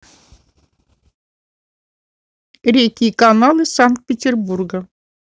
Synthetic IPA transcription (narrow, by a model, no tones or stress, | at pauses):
ɾʲekʲikanɑlˠɨsaŋk̚t̪̚pʲetʲerburɡɤ̆